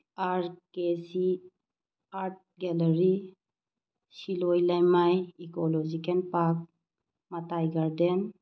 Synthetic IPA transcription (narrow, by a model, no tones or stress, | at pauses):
aɾkesi | aɾʈ̚ɡɛləɾi | silɔjlajmajikɔlɔd͡ʒikʰɛnpak̚ | mat̪ajɡaɾd̪ɛn